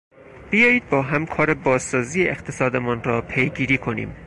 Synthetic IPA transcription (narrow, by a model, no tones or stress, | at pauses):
b̥ijɒːjiːd̪̚bɒːɦæmkʰɒːɾebɒːzːɒːziːjeʔext̪ʰesɒːd̪e̞munrɒːpʰejɡiːɾiːkʰo̞nḭːm